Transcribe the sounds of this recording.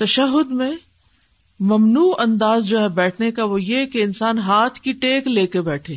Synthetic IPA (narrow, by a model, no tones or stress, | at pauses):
t̪ɐʃəɦʊd̪mẽ | mɐmnuːɐ̃nd̪aːzd͡ʒoːɦɛbɛːʈʰnekaʋojekeɪnsaːnɦaːt̪ʰkiʈeːkleːkebɛːʈʰeː